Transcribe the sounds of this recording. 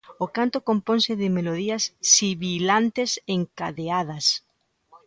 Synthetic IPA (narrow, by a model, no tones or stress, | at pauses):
okant̪okompõnsɪðɪmeloðiɐsːiβilant̪eseŋkaðeað̞ɐs